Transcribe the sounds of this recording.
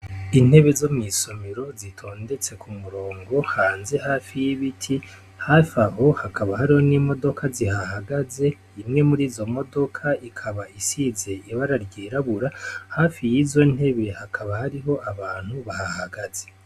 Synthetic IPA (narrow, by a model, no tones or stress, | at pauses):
in̥he̞βe̞zo̞mŋiso̞miɾo̞zitʰo̞ːnde̞t͡se̞kʰumuɾoːŋɡo̞haːnze̞haːfijiβitʰi | hafaɦo̞hakʰaβahaɾiho̞nimo̞do̞kʰazihahaɡaze̞ | imŋe̞muɾiːzo̞mo̞do̞kʰaikʰaβaisize̞iβaɾaɾɟiːɾaβuɾahaːfijizo̞n̥he̞βe̞hakʰaβahaɾiɦo̞ʔaβaːn̥huβahahaɡaz̥e̞̥